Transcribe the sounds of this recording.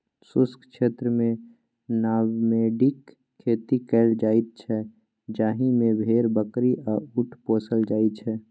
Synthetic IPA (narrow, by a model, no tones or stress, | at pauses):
sʊskkʃeːt̪ɾəmẽ | naːwmẽɖɪkʰː | eːt̪ikɛːld͡ʒaːɪt̪̚t͡ʃʰɛ | d͡ʒaːɦimẽbʱeːɾbəkɾiʔɔʊʈʰpoːsəld͡ʒaːit͡ʃʰɛ